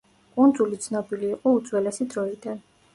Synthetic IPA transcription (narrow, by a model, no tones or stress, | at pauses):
kʼund̪zulit̪sʰnɔbiliːqʼɔut̪sʼwɛlɛsid̪ɾɔid̪an